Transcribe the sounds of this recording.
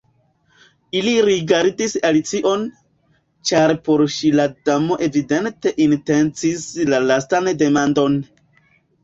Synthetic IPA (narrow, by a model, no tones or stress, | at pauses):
iliɾiɡaɾdisalit͡siʔo̞n | t͡ʃaɾpo̞ɾʃiladamo̞ʔe̞vide̞nte̞ʔinte̞nt͡sislalastande̞mando̞n